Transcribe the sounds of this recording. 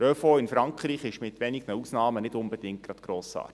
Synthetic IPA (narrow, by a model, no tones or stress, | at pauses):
ɾœfoɪnfɾɑŋkχriːχɪʃmɪt̪ʋɛniɡnəusnɑːmənɪtʊmbɛd̥ɪŋt̚ɡ̥ɾɑt̪ɡ̥ɾoːsɑ̰ːɾt